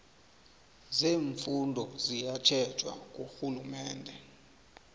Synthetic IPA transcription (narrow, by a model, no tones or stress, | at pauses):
zeːɱfundʱɔzijat͡ʃʰɛ̥t͡ʃʰʼwa̰k̬ʼoxulumɛːndʱɛ